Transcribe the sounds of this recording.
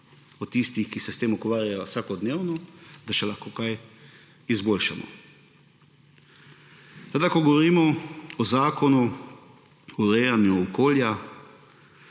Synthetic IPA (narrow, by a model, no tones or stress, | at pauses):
ɔt̪ist̪ixkisɛst̪eːmukʋaːɾjajɔwsaːkɔd̪neːwnɔd̪aʃɛlaxkoːkaj | izboːlʃamɔ̰ | sʋed̪akɔɡɔʋɔɾiːmɔɔzaːkɔnu | ɔɾɛjanjuɔkoːlja